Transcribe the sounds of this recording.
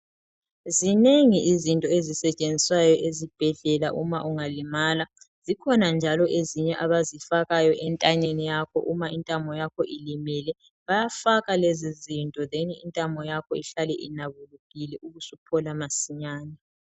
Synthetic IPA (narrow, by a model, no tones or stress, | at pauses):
zineŋiʔizintʼɔezisɛt͡ʃʼend͡zʱiswajɔʔezib̥ʱɛɮɛlaʔumaʔuŋalimaːla | z̥ikʰɔnand͡ʒʱalɔʔeziɲɛʔaβazifaɣajɔʔɛntʼaɲenijakʰɔ̰ʔumaintʼamʱɔjakʰɔʔilimilɛ | βajafaɣalezizintʼɔðeniḭntʼamʱɔjakʰɔiɬalɛʔinaβuluɣilɛʔuɣusupʰɔlamasiɲaːnɛ